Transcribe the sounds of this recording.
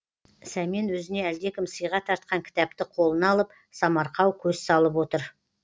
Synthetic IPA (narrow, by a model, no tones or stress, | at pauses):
sæmenwɵzɪne̞æld̪e̞kʲɪmsəjʁɑt̪ʰɑɾt̪qɑŋkʲʰɪ̥t̪ɑp̚t̪ɪqʰo̞lˠənɑlˠəp̚ | sɑmɑɾqɑwkʲʰɵzsɑlˠəp̬wo̞t̪əɾ